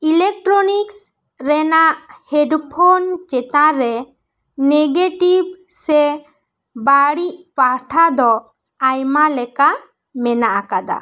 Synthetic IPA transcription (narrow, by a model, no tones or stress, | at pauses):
ilek̚ʈɾɔniks | ɾɛnaʔhɛɖpʰont͡ʃɛt̪ãɾɛ | neɡeʈibsɛ | baɽiʔpaɾʈʰad̪ɔ | ajmalɛka | mɛnaʔakad̪a̰